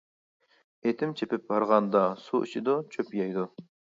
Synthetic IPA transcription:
et̪ʰɪmt͡ʃʰepɪp̚bɑɾʁɑnd̪ɑsuʔḭt͡ʃʰɪd̪ut͡ʃʰøpjɑjd̪u

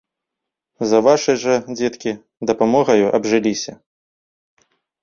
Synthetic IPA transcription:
zɐvaʂɨjʐɐd͡zʲɛt̪kʲi | d̪ɐpamɔɣɐjuʔɐbʐɨlʲisʲɐ

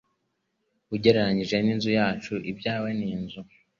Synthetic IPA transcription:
uɟe̞ɾeɾaɲiʒe̞ninzujaːt͡ʃuʔibɟaːwe̞niːnzu

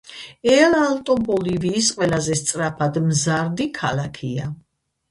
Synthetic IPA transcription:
ɛlalˠt̪ʼɔbɔliviːsqʼwɛlazɛst̪sʼɾapʰad̪mzaɾd̪ikʰalakʰia

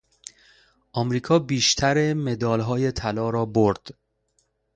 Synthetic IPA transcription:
ʔɒmɾiːkʰɒːbiːʃt̪ʰæɾeme̞d̪ɒːlɦɒːje̞t̪ʰælɒːɾɒːboɾd̪̥

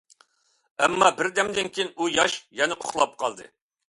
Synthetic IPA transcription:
ɛmːɑbɪɾd̪ɛmd̪ɪnkʲʰijnujɑʃjɛnɛqʰo̥χlˠɑp̚qʰɑ̰lˠd̪ɨ̰

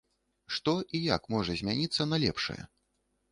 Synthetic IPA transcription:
ʂt̪ɔʔija̰kmɔʐɐzʲmʲanʲit̪sːɐnɐlʲɛ̰pʂɐ̰jɛ̰

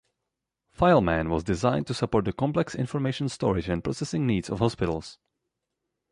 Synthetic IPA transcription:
faɪlˠmæ̃nwɔzdɪzãɪ̃n̚tusapɔɹt̚dəkɔ̃mplɛksɪ̰̃nfɔɹmeɪʃə̃n̩stɔ̰ɹɪd͡ʒɛ̃npɹɔsɛsɪ̃ŋniːdsɔ̰fhɔspɪɾl̩ˠs

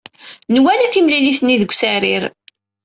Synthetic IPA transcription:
nwælæθimliliθnːiðəɡʷsæɾiɾ

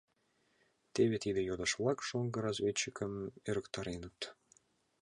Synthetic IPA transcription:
t̪eβet̪id̪ejod̪əʃβlˠɑkʃoŋɡə̆ɾɑzβet͡ɕːəkəmøɾə̆kt̪ɑɾenə̆t̪

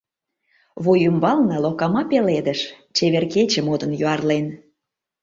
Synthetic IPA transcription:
βojymbɑlnɑlokɑmɑpeled̪ə̆ʃ | t͡ɕeβerket͡ɕə̆mod̪ə̆njøɑrlen

